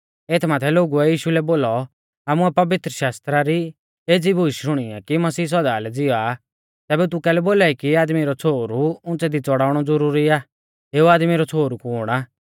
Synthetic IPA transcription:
eːt̪ʰmaːt̪ʰɛloːɡuɛjiːʃulɛboːlɔ | aːmuɛpɐʋɪt̪ɾəʃaːst̪ɾaɾi | eːd͡zibʱʊiʃʃʊɽ̃iɛ̰kimɐsiːs̬ɔd̪aːlɛd͡zɪɔaː | t̪ɛːbɛt̪̬ʊkɛːlɛboːlaːikiaːd̪miɾɔt͡sʰoːɾuʊ̃nt͡sɛd̪it͡sɔɽaːʊɽ̃ɔd͡zɐɾuːɾiaː | eːuaːd̪miɾɔt͡sʰoːɾukuːɽ̃aː

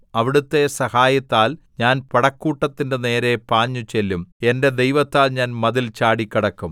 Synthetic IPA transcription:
ɐʋiɽut̪ːe̞sɐhaːjɐt̪ːaːlɲaːnpɐɽɐkːuːʈːɐt̪ːinde̞ne̞ːɾe̞paːɲːut͡ɕe̞lːume̞nde̞d̪ejʋɐt̪ːaːlɲaːnmɐðilt͡ɕaːɽikʲːiɽɐkːum

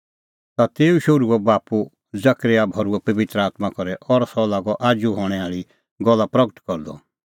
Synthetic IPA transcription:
t̪at̪eːuʃʊɾuɛbaːpu | d͡zɐkɾejabʱɔɾuɛpɐʋɪt̪ɾəaːt̪makɔɾɛʔɔɾsɔlaːɡɔʔaːd͡ʒuɦɔɽ̃ɛaːɭi | ɡɔlːapɾɐɡəʈkɔɾd̪ɔ̰

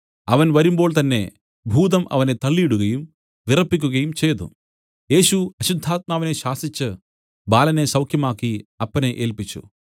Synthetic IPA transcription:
ɐʋɐnʋɐɾumbo̞ːɭt̪ɐnːe̞̰ | bʱuːd̪ɐmʔɐ̰ʋɐnet̪ɐɭːiːɽuɣɐjum | ʋirɐpːik̬ʲːuɣɐjumt͡ʃe̞ːt̪ṵ | je̞ːʃuɐɕud̪ʱːaːt̪̚maːʋineʃaːsit͡ʃːɨ | baːlɐne̞ːsɐwkʰjɐmaːkːiɐpːɐneʔeːlpit͡ʃːṵ

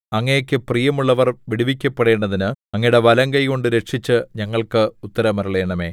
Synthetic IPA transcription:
ɐŋːɐjɐkʲːɨprijɐmuɭːɐʋɐrʋiɽiʋikʲːɐpːeɽe̞ːɳɖɐðinɨɐŋːɐjɽe̞ʋɐlɐŋɡɐjɣo̞ɳɖɨɾe̞ʈʂit͡ɕːɨɲɐŋːɐɭkɨut̪ːɐɾɐmɐɾɐɭeːɳɐme̞ː

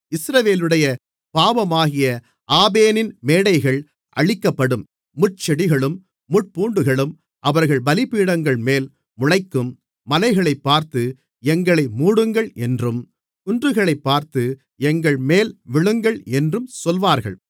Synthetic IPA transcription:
ɪsɾɐʋeːlɯɽɐjɐ | paːʋɐmaːɣɪjɐ | ʔaːbeːnɪnmeːɽɐɪɣɐɭ | ʔɐ̰ɻɪkːɐpːɐɽɯmː | ʊʈ̚t͡ʃɛɽɪɣɐɭɯmː | ʊʈ̚puːɳɖɯɣɐɭɯm | ʔɐʋɐɾɣɐɭbɐlɪpːiːɽɐŋɡɐɭmeːl | mʊɻɐɪkːɯmː | ɐlɐɪɣɐɭɐɪpːaːɾt̪ɯ | ɛŋɡɐɭɐɪmuːɽɯŋɡɐɭɛndrɯm | ʊndrɯɣɐɭɐɪpːaːɾt̪ɯ | ɛŋɡɐɭmeːlʋɪɭɯŋɡɐɭɛndrɯmsɔlʋaːɾɣɐ̰ɭ

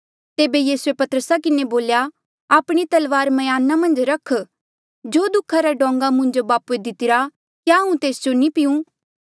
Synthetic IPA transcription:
t̪eːbejiːsuepɐt̪əɾəsakɪneboːlja | aːpɽ̃it̪ɐlʋaːɾmɐjaːnamɐ̃nd͡ʒɾɐkʰ | d͡ʒoːd̪ʊkʰːaɾaɖɔ̃ːŋɡamʊ̃nd͡ʒobaːpued̪ɪt̪ɪɾa | kjaɐũt̪eːsd͡ʒonĩpɪjũ

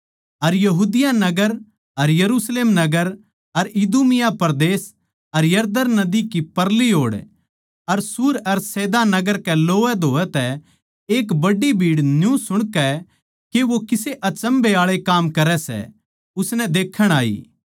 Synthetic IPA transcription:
ɐɾjɐɦuːd̪ɪjanɐɡəɾ | ɐɾjɐɾuːsleːmnɐɡəɾ | ɐɾɪd̪uːmɪjapɐɾd̪eːs | ɐɾjɐɾd̪əɾnɐd̪ikipɐɾliɦoːɽ | ɐɾsuːɾɐɾsɛːd̪anɐɡəɾkɛloːɛd̪ʱoːɛt̪ɛ | eːkbɐɖibʱiːɽnjũsʊɽ̃kɛ | keʋokɪseʔɐt͡ʃə̃mbeaːɭekaːmkɐɾɛsɛ̰ | ʊsnɛ̃d̪eːkʰːəɽ̃aːḭː

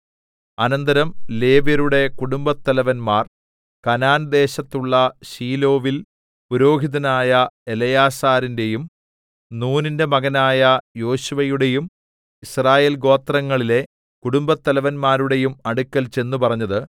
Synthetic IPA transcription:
ɐnɐnd̪ɐɾɐmle̞ːʋjɐɾuɽe̞kuɽumbɐt̪ːɐlɐʋɐnmaːr | kɐnaːnd̪e̞ːɕɐt̪ːuɭːɐɕiːlo̞ːʋil | puɾo̞ːɡʱiðɐnaːjɐe̞lɐjaːsaːɾinde̞jum | nuːninde̞mɐɣɐnaːjɐjo̞ːɕuʋɐjuɽe̞jum | israːje̞ːlɡo̞ːt̪rɐŋːɐɭile̞ | kuɽumbɐt̪ːɐlɐʋɐnmaːɾuɽe̞jumɐɽukːɐlt͡ɕe̞nːupɐrɐɲːɐðɨ

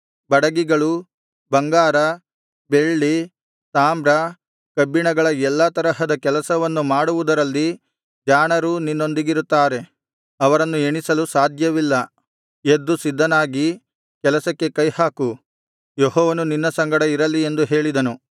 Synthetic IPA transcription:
bɐɽɐɡiɡɐɭu | bɐŋɡaːɾɐ | be̞ɭːi | saːmbɾɐ | kɐbːiɳɐɡɐɭɐɛlːɐt̪ɐɾɐɦɐd̪ɐkɛlɐsɐʋɐnːumaːɽuʋud̪ɐɾɐlːi | d͡ʒaːɳɐɾuninːo̞nd̪iɡiɾut̪ːaːɾe̞ | ɐʋɐɾɐnːueɳisɐlusaːd̪ʱjɐʋilːɐ | ed̪ːusid̪ːɐnaːɡi | kɛlɐsɐkːe̞kɐjhaːku | joɦɔːʋɐnuninːɐsɐŋɡɐɽɐiɾɐlːie̞nd̪uɦe̞ːɭid̪ɐnu

